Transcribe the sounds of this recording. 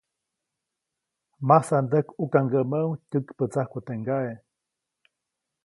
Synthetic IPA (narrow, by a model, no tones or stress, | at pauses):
masand̪əkukaŋɡəməuŋt̪ʲəkpət͡sahkut̪eŋɡae